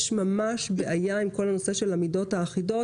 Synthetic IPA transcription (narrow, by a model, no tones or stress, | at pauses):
ʃmamaʃbeʔajaimko̞lanose̞ʃe̞lamido̞thaːχido